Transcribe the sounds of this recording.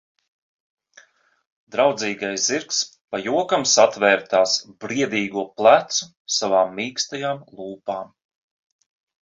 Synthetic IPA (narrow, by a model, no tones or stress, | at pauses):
d̪ɾawd̪ziːɡajsziɾkspajuɔkamsat̪vɛːɾt̪aːsb̥ɾiɛd̪iːɡuɔplˠæt̪su | savaːmːiːkst̪ajaːmlˠuːpaːm